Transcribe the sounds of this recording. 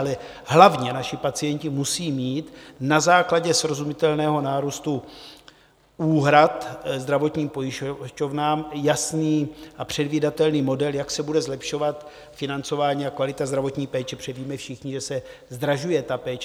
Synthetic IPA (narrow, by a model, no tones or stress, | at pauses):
lɛ | ɦlavɲɛnaʃɪpat͡sɪjɛɲcɪmusiːmiːt̪nazaːklaɟɛsɾo̞zumɪt̪ɛlnɛːɦo̞naːɾuːst̪u | uːɦɾat̪zd̪ɾavo̞t̪ɲiːmpo̞jɪʃʃcovnaːmjasniːʔapr̝̥ɛdviːdat̪ɛlniːmo̞dɛljaksɛbudɛzlɛpʃo̞vat̪ | fɪnant͡so̞vaːɲiːakvalɪt̪azd̪ɾavo̞t̪ɲiːpɛːt͡ʃɛpr̥ɛviːmɛfʃɪxɲɪʒɛsɛ | zd̪ɾaʒujɛt̪apɛːt͡ʃ